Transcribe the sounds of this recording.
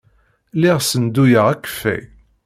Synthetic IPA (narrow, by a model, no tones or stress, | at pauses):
lɪʁsənd̪ujəʁækːə̥fːæ̰j